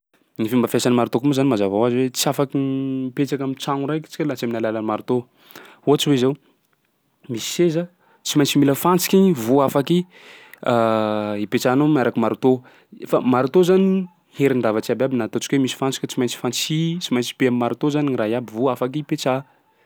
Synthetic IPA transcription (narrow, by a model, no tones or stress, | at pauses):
nifimbəfjasanimaɾut̪okumezanimazavawaziwet͡siafakinpet͡ʃakamit͡ʃaŋuɾajki̥t͡si̥kʲalat͡saminalalanimaɾut̪o | huat͡ʃiwezaw | misi̥sezə | t͡simajnt͡similəfant͡si̥kʲiɲivuafaki | aipet͡sanomaɾakimaɾut̪o | famaɾut̪ozani | heɾiɳɖ͡ʐavat͡siababinat̪ot͡ʃi̥kʲwemisi̥fant͡si̥kʲət͡simajnt͡si̥fant͡sit͡simajnt͡si̥peammːaɾut̪ozaniŋiraɦiabivuafakipet͡sa